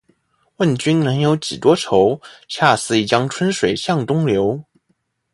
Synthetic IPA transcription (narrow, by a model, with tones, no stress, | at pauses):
wə˥˩nt͡ɕy˥nnɤ˧˥ŋjo˧˥ʊt͡ɕḭ˨˩t̪wɔ˥ʈ͡ʂʰo˧˥ʊt͡ɕʰja˥˩sɹ̩˥˩i˨˩t͡ɕjɑ˥ŋʈ͡ʂʰwə˥nʂwe˨˩ɪɕjɑ˥˩ŋt̪ʊ˥ŋljo˧˥ʊ